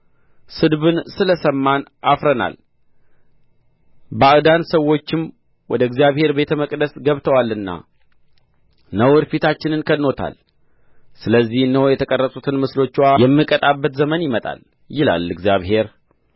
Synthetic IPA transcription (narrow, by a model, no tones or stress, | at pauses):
sɨd̪βɨnsɨləsəmːanʔafɾəna̰l | bəaʔd̪ansəwːo̞t͡ʃːɪm | wɔd̪əɨɡzijaβhe̞ɾbe̞t̪ʰəməkʼd̪əsɡəβt̪ʰəwalːɨnːa̰ | nəwɾfit̪ʰat͡ʃːɪnɨnkʰənːo̞t̪ʰa̰l | sɨləzːihnːəhojɛt̪ʰəkʼərːəsʼut̪ʰɨnmɨslo̞t͡ʃːwajɛmːɨkʼət̪ʼabːət̪zəmənjɪmət̪ʼa̰l | jɪla̰lɨɡzjaβɦe̞ɾ